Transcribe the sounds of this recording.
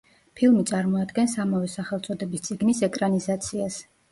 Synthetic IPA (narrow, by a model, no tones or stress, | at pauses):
pʰilˠmit̪sʼaɾmɔad̪ɡɛnsamavɛsaχɛlˠt̪sʼɔd̪ɛbist̪sʼiɡnisɛkʼɾanizat̪sʰias